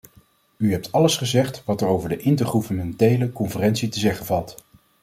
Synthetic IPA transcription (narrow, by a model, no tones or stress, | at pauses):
yɦɛp̚tʰɑləsχəzɛχtʋɑtərowvəɹdəʔɪntəɹχuvənmɛntejləkɔnfərɛnsitəzɛχənvɑlˠt